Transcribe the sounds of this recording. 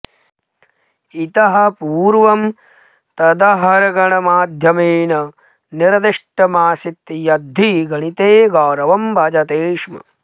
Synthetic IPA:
it̪ɐɦɐ̆puːɾʋɐm | t̪ɐd̪ɐɦɐɾɐɡɐɳɐmaːd̪ʱjɐmeːnɐ | niɾɐd̪iʂʈɐmaːsit̪jɐd̪ʱːiɡɐɳit̪eːɡoːɾɐʋɐmbʱɐd͡ʒɐt̪eːʂmɐ̰

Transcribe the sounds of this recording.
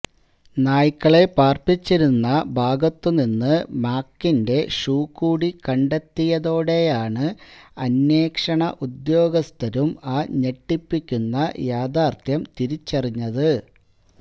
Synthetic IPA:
naːjikːɐɭe̞paːrpit͡ɕːiɾunːɐbʱaːɡɐt̪ːuninːɨmaːkːinde̞ʂuːkːuːɽikɐɳɖet̪ːijɐðo̞ːɽe̞jaːɳɨɐnjeːkʂɐɳɐʔud̪jo̞ːɡɐst̪ʰɐɾumaːɲe̞ʈːipːikʲːunːɐjaːd̪aːrt̪ʰjɐmt̪iɾit͡ɕːɐriɲːɐðɨ

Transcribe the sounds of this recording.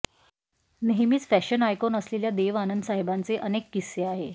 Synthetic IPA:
neɦmiːt͡sfæɕənajkɔnəsleljad̪eʋanənd̪saɦebant͡seʔənekːisːeaɦe

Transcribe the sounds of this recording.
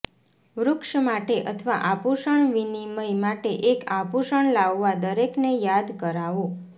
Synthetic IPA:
ʋɾʊkʃmaʈeʔət̪ʰʋaʔapuʃəɳʋiniməjmaʈeʔekapuʃəɳlaʋːad̪əɾeknejad̪kəɾaʋo

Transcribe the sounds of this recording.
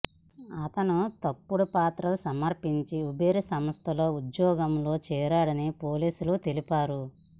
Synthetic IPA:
ɐt̪ɐnut̪ɐpːuɽupaːt̪ɾɐlusɐmɐɾpiɲt͡ʃiubeːɾisɐmɐst̪ʰɐlo̞ːud͡ʒjɔːɡɐmlo̞ːt͡ʃɛːɾaːɽɐnipoːliːsulut̪e̞lipaːɾu

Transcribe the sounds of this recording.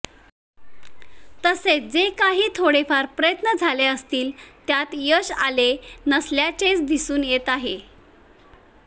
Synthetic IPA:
t̪əsed͡zekaɦiːt̪ʰoɽefaɾpɾəjət̪nəd͡zʱaleəst̪iːlt̪jat̪jəɕalenəsljat͡set͡sd̪isuːnjet̪aɦe

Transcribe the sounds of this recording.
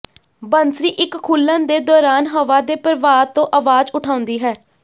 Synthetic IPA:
bənsɾiːʔɪkkʰːuːlːə̃nd̪eːd̪ɔːɾaːnɦəʋaːd̪eːpəɾʋaːt̪õːʔaʋaːd͡ʒʊʈʰaːʊ̃nd̪iːɦɛː

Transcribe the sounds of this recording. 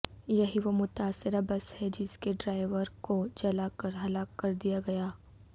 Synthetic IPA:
jɐɦiʋomʊt̪aːsːɪɾabɐshɛd͡ʒɪskeɖɾaːɪʋəɾkod͡ʒɐlakɐɾɦɐlaːkːɐɾd̪ijaɡɐjaː

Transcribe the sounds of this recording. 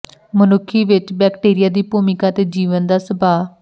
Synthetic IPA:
mənʊkʰːiːʋɪt͡ʃbɛːkʈeːɾɪjaːd̪iːpuːmɪkaːt̪eːd͡ʒiːʋənd̪aːsəbaː

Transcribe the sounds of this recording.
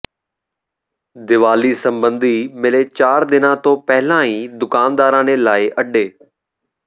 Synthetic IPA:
d̪ɪʋaːlisə̃mbə̃nd̪ʱiːmɪlet͡ɕaːɾd̪ɪnãːt̪oːpɛɦɪlãːĩːd̪ʊkaːnd̪aːɾãːnelaːɪʔɐɗeː

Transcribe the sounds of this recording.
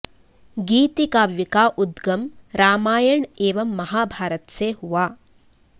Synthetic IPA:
ɡiːt̪ikaːʋjikaːʔud̪ɡɐmɾaːmaːjɐɳeːʋɐmːɐɦaːbʱaːɾɐt̪seɦuʋaː

